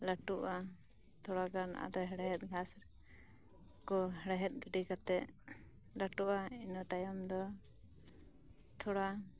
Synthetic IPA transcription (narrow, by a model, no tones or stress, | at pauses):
laʈuʔa | t̪ʰɔɽakana̰ʔa̰d̪ɔɦɛɽɛɦɛt̪̚ɡʱasɾ | kɔɦɛɽɛɦɛt̪̚ˀɡiɖikat̪ɛʔ | laʈuʔainɔt̪ajɔmd̪ɔ | t̪ʰɔɽa